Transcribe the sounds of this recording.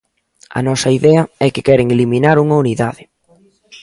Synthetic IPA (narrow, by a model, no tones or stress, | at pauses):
ɐ̰nɔsɐiðɛɐɛkɪkɛɾeŋeliminaɾuŋɐuniðaðɪ